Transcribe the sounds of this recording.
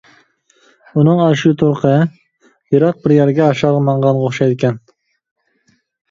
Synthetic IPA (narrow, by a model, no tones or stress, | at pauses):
unɨŋɑʃut̪ʰoɾqʰə | jɨɾɑq̚bɪɾjæɾɡʲɛɑʃɑʁmɑɴʁɑnʁoχʃɑjd̪ɪkʲʰɛn